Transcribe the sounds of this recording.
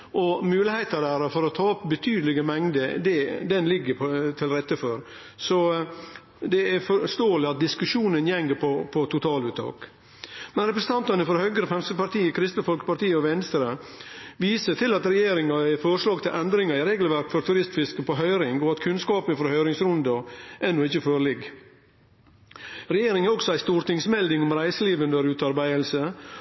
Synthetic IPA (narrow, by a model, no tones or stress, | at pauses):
ʔɔmʉːlɪheɪt̪əɖæɾɑfɔɾɔt̪ʰɑːɔpːbət̪ʰyːd̪əlɪɡəmɛŋd̪əd̪ɛd̪ɛnlɪɡːəpt̪ʰɪlɾɛt̪ːəfɔɾ | sɔ | d̪ɛæɾfɔʂt̪oːəlɪɑt̪̚d̪ɪskʉʂuːnənjɛŋɡəpʰɔpʰɔt̪ʰʊt̪ʰɑːlʉːt̪ʰːɑ̰ːk | mɛnɾɛpɾəsn̩t̪ɑnt̪ɑnəfɔɾhœɡəɾəfɛmsəpɑɾʈ̪iːəkʰɾɪst̪əfɔlkə̥pɑɾʈ̪iːəɔʋɛnst̪ɾə | ʋiːsət̪ʰɪlɑt̪ɾɛjeːɾɪŋɑɛfɔɾʂɭɑːɡt̪ʰɪlʔɛnd̪ɾɪŋɑɾɪɾeːɡl̩ʋæɾkfɔɾt̪ʰʉɾɪst̪fɪskəpɔɦœʏɾɪŋɔɑt̪kʰʉnskɑːpənfɔɾhœʏɾɪŋsɾʊnd̪ɑʔɛnːʊɪçːəføːɾlɪɡ | ɾɛjeːɾɪŋæɾɔksɔæɪst̪uːɾt̪ɪŋsmɛld̪ɪŋɔmɾæɪsəliːʋʉnd̪əɾʉːt̪ɑɾbæɪəlsə